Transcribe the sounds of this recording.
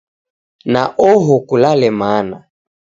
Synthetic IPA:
naʔɔɦɔkulalɛmaːna

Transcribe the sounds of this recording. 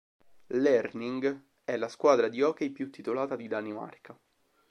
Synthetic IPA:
lɛrniŋɡ | ɛlːaskwaːd̪ɾad̪iɔːkejpjut̪ːit̪olaːt̪ad̪id̪anima̰rka

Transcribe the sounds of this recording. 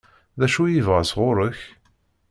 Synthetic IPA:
ðæʃujivʁasʁʊɾəç

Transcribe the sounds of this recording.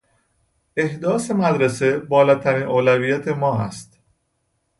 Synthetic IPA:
e̞hd̪ɒːse̞mæd̪ɾese̞bɒːlɒːt̪ʰæɾiːnʔoːlæviːjæt̪ʰemɒːæ̰st̪

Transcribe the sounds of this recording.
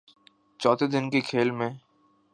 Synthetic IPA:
t͡ʃɔːt̪ʰed̪ɪnkekʰeːlmẽ

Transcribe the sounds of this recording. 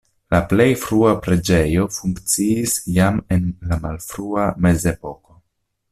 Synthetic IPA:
laple̞jfɾuapɾe̞d͡ʒe̞jo̞fuŋkt͡siisjame̞nlamalfɾuame̞ze̞po̞ko̞

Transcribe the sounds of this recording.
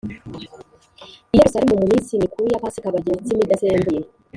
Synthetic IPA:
ijeɾusalimumumisimikʰujapasikaβaɟet͡simidasembuje

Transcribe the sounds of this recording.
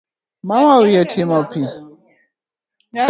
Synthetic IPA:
mawawijatʰimapʰi

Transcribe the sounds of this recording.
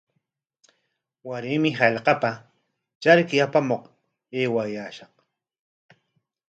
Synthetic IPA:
waɾɪmɪɦɑʎqɑpa | t͡ʃaɾkɪapamoq | eːwajaːʃɑq

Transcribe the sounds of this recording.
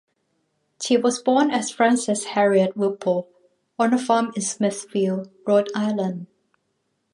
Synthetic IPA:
ʃiwɔsbɔ̃nɛsfɹãnsɪshɛɹiət̚wɪpʰəl | ɔ̃nəfamɪ̃nsmɪθfil | ɹɔdaɪlə̃n

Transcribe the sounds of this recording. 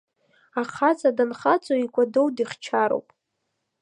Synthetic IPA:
aχat͡sʼadanχat͡sʼoikʷʼadowdiχt͡ʃʰaɾo̰wpʼ

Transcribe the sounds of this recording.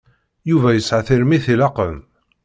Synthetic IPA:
juvæjəsʕaθiɾmiθilɑqəm

